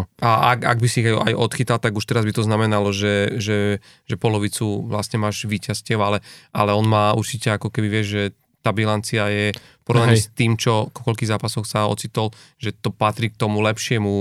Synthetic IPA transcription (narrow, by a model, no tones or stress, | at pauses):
aaka̰ɡ̚bisiːɣaja̰jʔɔt̪xit̪alt̪aɡuʃt̪ɛɾazbit̪ɔznamɛnalɔʒɛʒɛ | ʒɛpɔlɔʋit͡suʋlastɲɛmaːʒʋiːcascɛʊalɛʔa̰lɛɔnmaːṵɾt͡ʃicɛakɔkɛbiʋɪɛʒʒɛ | t̪aːbilant͡siajɛ | pɔɾɔʋnaɲɛst̪iːmt͡ʃɔkɔkɔʎkiːɣzaːpasɔxsaɔ̰t͡sit̪ɔl | ʒ̥ɛt̪ɔpat̪ɾiːk̚t̪ɔmulɛpʃɪɛmu